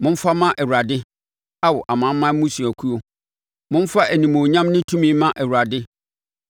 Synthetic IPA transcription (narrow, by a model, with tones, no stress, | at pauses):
mʊ̃˦m̩˦fa˦mã˦ʔɛ˨wu˨ɾa˨dɪ˦ | a˦wɔ˨ʔa˨mã˨˦mːã˦mʊ̃˦su˨æ˨kʰu˦o˦ | mʊ̃˦n˦fa˦ʔæ˨nĩ˨mõ˨ɲã˦mnɪ̃˦tʰũ˦mĩ˦mã˦ʔɛ˨wu˨ɾa˨dɪ˦